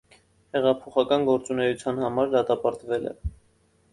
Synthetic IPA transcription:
hɛʁɑpʰɔχɑkɑnɡɔɾt͡sunɛjut͡sʰjɑnhɑmɑɾd̪ɑt̪ɑpɑɾt̪vɛlɛ̰

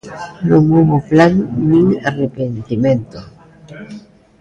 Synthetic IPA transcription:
lomoβoplanːiŋarepent̪iment̪o

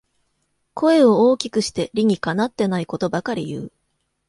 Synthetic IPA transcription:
kʰo̞e̞o̞oːkʲikɯ̟ɕi̥t̪e̞ɾʲiɲ̟ikanat̪ːe̞naiko̞t̪o̞bakaɾʲḭjɯ̟̰ː

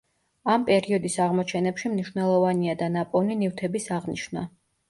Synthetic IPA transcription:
ampʼɛɾiɔd̪isaʁmɔt͡ʃʰɛnɛpʃimniʃvnɛlˠɔvaniad̪anapʼɔvninift̪ʰɛbisaʁniʃna

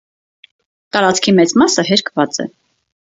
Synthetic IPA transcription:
t̪ɑɾɑt͡skʰimɛt͡smɑsəɦɛɾkʰvɑt͡sɛ̰

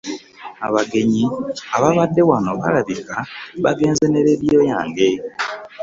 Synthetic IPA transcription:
aβaɡe̞ɲiaβaβadːewanoβa̰ɾaβikaβaɡe̞ːnzeneɾeɾijojaːŋɡe

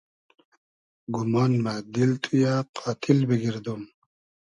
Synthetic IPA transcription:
ɡumɑnmad̪ilt̪ʰujaqʰɑːt̪ʰilbiɡiɾd̪um

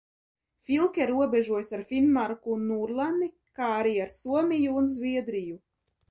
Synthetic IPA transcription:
fʲilˠkʲɛɾuɔbʲɛʒuɔjsaɾfinmaɾkunːuɾlˠani | kaːaɾiaɾsuɔmʲijuːnzvʲiɛd̪ɾiju

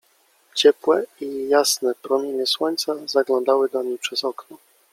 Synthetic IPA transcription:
t͡ɕɛpwɛijasnɛpɾɔmʲjeɲɛswɔɲt̪sazaɡlɔ̃nd̪awɘd̪aɲijpʂɛzɔknɔ

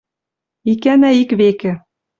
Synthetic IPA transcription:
ikænæikβekɘ̆

